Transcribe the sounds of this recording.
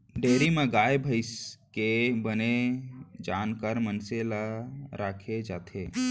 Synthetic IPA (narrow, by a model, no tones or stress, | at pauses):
ɖeːɾimẽɡaːjbʱəɪskebəned͡ʒaːnkəɾmənselaɾaːkʰed͡ʒaːt̪ʰe